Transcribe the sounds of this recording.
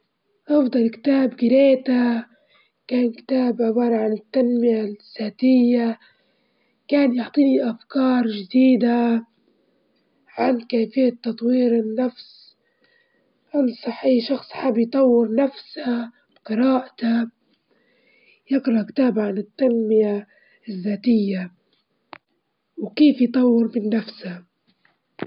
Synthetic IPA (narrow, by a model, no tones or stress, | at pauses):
ʔɑfd̪ˤɑlkɪ̥t̪aːbɡɪɾeːt̪a | kaːnkɪ̥t̪aːbʔabɑːɾʕanɪt̪ːanmɪjasaːt̪ɪjːa | kaːnjʊʕt̪ˤiːniʔafkɑːɾˤʒɪd̪iːd̪a | ʕankaːfɪjːat̪ːɑt̪ˤwiːɾɪnːafs | ʔansˤɑħʔiːʃɑxsˤħabjt̪ˤɑwːɪɾnafsa | bqɨɾɑːʔat̪a | jɪqɾˤɑkɪ̥t̪aːbʕanɪt̪ːanmɪja | ɪðːaːt̪ɪjːa | wkeːfjt̪ˤɑwːɪɾbɪnːafsha